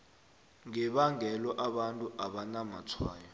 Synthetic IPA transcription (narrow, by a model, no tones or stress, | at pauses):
ŋɛɓaŋɛlɔʔaɓantʼuʔaɓanama̰t͡sʰwaːjɔ